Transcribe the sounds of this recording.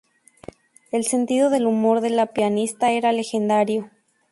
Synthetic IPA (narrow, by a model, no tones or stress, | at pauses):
e̞lse̞nt̪iðo̞ðe̞lumo̞ɾðe̞lapjanist̪ae̞ɾale̞xe̞nd̪aɾjo̞